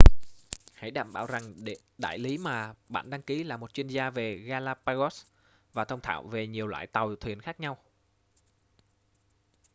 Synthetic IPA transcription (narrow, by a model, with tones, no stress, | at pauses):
ha̰˧˥jɗa̰ː˧˩mɓa̰ː˧˩wza˨˩ŋ | ɗa̰ː˧˨jli˨˦maː˨˩ɓa̰ː˧˨nɗa˧ŋki˨˦laː˨˩mo˨˩t̚t͡ɕwi˧ənzaː˧ve˨˩ɣaː˧laː˧paː˧ɣɔ˦˥s | vaː˨˩t̪ʰə˧wŋ͡mt̪ʰa̰ː˧˨wve˨˩ɲi˨˩əwla̰ː˧˨jt̪a˨˩wt̪ʰwi˨˩ənxaː˦˥k̚ɲa˧w